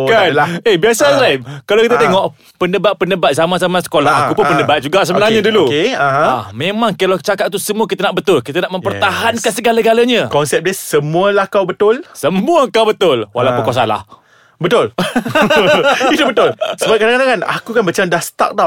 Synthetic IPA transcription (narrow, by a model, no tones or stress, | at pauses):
kanaebiasalaikalawkit̪at̪eŋɔʔ | pəndəbat̪̚pəndəbat̪̚samasamasə̥kolaa̰kupʊnpəndəbat̪̚d͡ʒuɡaʔsəbənaɲadulukeaɦãamemãŋkəlat͡ʃakat̪̚t̪usəmuakit̪anaʔbət̪ʊlkit̪anaʔməmpərt̪aɦankansəɡalaɡalaɲakɔnsɛp̚desəmũəlahkawbət̪ʊlsəmũəkawbət̪ʊlwa̰lawpəkasala̰h | bət̪ʊl | it̪ubət̪ʊlsəəbap̚kadaŋkadaŋkana̰kukanbət͡ʃamdahst̪a̰k̚dat̚